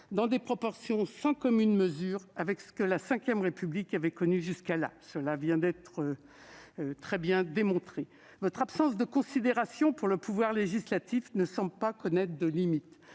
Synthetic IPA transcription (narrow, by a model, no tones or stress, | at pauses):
d̪ɑ̃d̪epχɔpɔʁsjɔ̃sɑ̃kɔmynməzyːʁavɛksə̥kəlasɛ̃kʲjɛmʁepyblikavɛkɔnyʒyskala̰səlavjɛ̃d̪ɛt̪χə | t̪χɛbjɛ̃d̪emɔ̃t̪χe | vɔt̪χapsɑ̃s̬d̪əkɔ̃sid̪eʁasjɔ̃puʁləpuvwaʁleʒislat̪ifnəsɑ̃blpakɔnɛt̪χd̪əlimit̪